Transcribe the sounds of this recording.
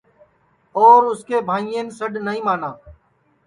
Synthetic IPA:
oːɾʊskeːbʱãːĩeːnsəɗnəɦĩːmaːnãː

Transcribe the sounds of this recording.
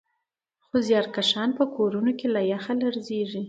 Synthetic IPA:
xozjɑɾkaʃɑnpəkʰoɾunokelajaxalaɾzeʐi

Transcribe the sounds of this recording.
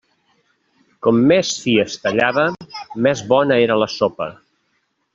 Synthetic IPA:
kɔmːɛsfiəst̪əʎaβəmɛzβɔnəeɾələsopə̰

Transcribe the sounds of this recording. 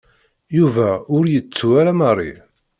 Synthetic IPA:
juvæʊɾjət͡sːuaɾamərˤːḭ

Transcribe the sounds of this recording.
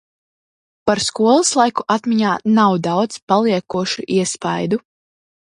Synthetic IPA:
paɾskuɔlˠɨslˠajkuʔat̪miɲaːnawd̪awd̪zpalˠiɛkuɔʃuʔiɛspajd̪u

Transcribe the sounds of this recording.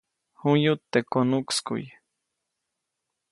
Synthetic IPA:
hujut̪ːekonukskṵj

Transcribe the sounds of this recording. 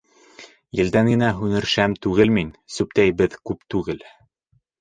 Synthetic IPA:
jɘ̆ld̪æŋɡɘ̆næɦʉnɘ̆ɾʃæmt̪ʉɡɘlminsʉpt̪æjbɘðkʉpt̪ʉɡɘl

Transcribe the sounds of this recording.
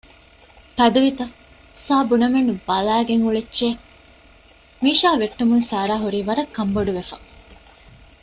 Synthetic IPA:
t̪ɐd̪uʋit̪ɐ | saːbunɐmenːubɐlæːɡeŋuɭetːt͡ʃe | miːʃaːʋeʈːumunsaːɾaːɦuɾiːʋɐɾɐkːɐmboɖuʋefɐ

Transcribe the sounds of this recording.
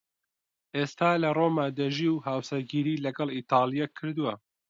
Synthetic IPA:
ʔeːst̪aːlɐroːmaːd̪ɐʒiːwhaːwseɡiːɾiːlɐɡɐlˠiːt̪ɑːlˠijakʰɨɾd̪uwɐ

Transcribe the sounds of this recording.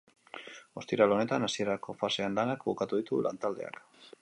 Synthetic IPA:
o̞st̪iɾalo̞ne̞t̪anasie̞ɾako̞fase̞anlanakbukat̪uðit̪ula̰nt̪ald̪e̞a̰k

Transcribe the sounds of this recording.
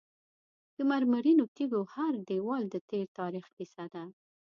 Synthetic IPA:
d̪̥əmaɾmaɾinot̪iɡohaɾɖewɑld̪ət̪eɾt̪ɑɾixpisad̪a

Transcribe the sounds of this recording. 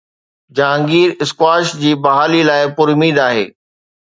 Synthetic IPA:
d͡ʑãːŋɡiːɾɪskwaːʃd͡ʑiːbɐɦaːlilaːɪpʊɾʊmiːd̪aːɦḛː

